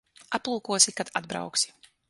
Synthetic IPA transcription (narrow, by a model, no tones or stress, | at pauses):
aplˠuːkuɔsikad̪ad̪bɾa̰wksi̥